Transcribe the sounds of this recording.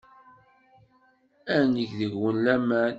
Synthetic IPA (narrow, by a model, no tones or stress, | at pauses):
ænəçðəʝwənlæmæn